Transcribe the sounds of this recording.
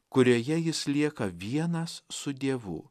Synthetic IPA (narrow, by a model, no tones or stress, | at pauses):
kʊɾʲoːjɛjɪslʲiɛkɐʋʲiɛnɐsːʊd̪ʲeːʋʊ̰ː